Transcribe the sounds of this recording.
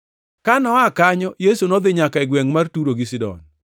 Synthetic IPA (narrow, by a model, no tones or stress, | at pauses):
kanɔakaɲɔjesunɔd̪ɪɲakaɛɡwɛŋmartuɾoɡɪs̬ɪdɔ̰n